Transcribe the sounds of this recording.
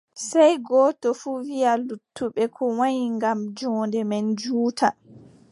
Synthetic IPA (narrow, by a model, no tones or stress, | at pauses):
sɛjɡɔːtɔfuːwijalutːuɓɛkʰɔwaɲiŋɡamd͡ʒɔːndɛmɛnd͡ʒuːtʰa